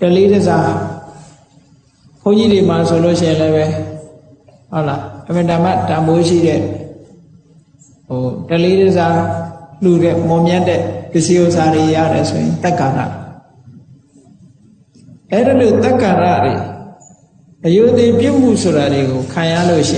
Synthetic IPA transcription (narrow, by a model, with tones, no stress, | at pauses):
təle˦dəza˦ | pʰõ˦ʊ̃ɲd͡ʑi˦de˨ma˨so˨lo˦˨ʃɪ̃˦˨ɪ̃˨lɛ˦bɛ˦ | hɔ˦˨ʔla˨ʔə̃˨mə˨tã˨m̥a˦˨tã˨mbo˦ʃḭ˦˨ɾɛ̰˦˨ | ɦo˨təle˦dəza˦lu˨ɾɛ̰˦˨mɔ˨mjã˦ndɛ˦˨pjɪ˦ʔsi˦ʔo˦˨ʔsa˨ɾe˨ja̰˦˨ɾɛ˨so˨jɪ̰̃˨nt̪ɛ˦˨kã˨nda̰˦˨ | ʔɛ˦˨də˨lo˨t̪ɛ˦kã˨nda̰˦˨dḛ˨ | ʔəjo˨ʔt̪e˨pju˦˨m̥ṵ˦˨sʰo˨ɾa˨ɾe˨ɡo˨kʰã˨ja̰˦˨lo̰˦˨ʃɪ̰̃˦˨